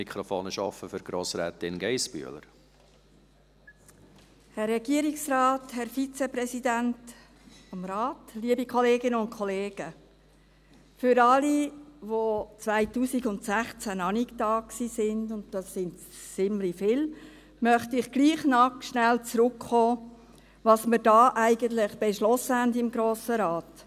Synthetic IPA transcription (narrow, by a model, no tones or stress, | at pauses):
ikχɾofoːnəʃɑ̰fəfʏɾɡ̥ɾoːsɾɛːt̪ɪnɡɛɪsby̰ə̰lə̰ɾ | hɛrːɛɡ̥iəɾiksrɑːthɛɾfit͡sɛpɾɛsidænt | fɔmɾɑːtliəbikʰɔleːɡɪnəʊn̚kʰɔleːɡ̥ə | fʏɾɑliʋot͡sʋæɪtuːsiɡʊntsæχt͡sænɑniktɑːksiːsɪndʊnt̚d̥ɑsːɪnt | t͡sɪmlifɪl | mœχtɪχɡ̥liːχnɑkʃnɛlt͡sɾʊkχoː | ʋɑːsməɾdɑːʔæɪɡənt̪lɪχb̥ɛʃlɔsəhændɪmɡɾoːsəɾɑːt